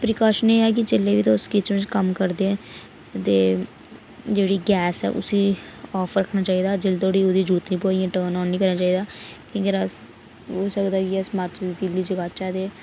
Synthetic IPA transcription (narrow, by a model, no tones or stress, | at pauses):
pɾɪkaːʃəneːaːk̬ɪt͡ʃelːeːʋiːt̪aːʊskɪt͡ʃʋɪ̃d͡ʒkəmkəɾd̪eɛ̃ː | t̪eː | d͡ʒeːɽiːɡɛːsɛ̰ːʔʊ̰sĩːɔːfʰɾəkʰːnaːt͡ʃaːiːd̪aːd͡ʒɪlt̪oːɽiːod̪iːd͡ʒuːt̪nĩːpoːijãːʈəːnɔːnĩːkəɾnaːt͡ʃaːiːd̪aːkõːkɪəs | ɦoːsəkd̪aːkɪəsmat͡ʃd̪iːd̪iliːd͡ʒəɡaːt͡ʃaːd̪eː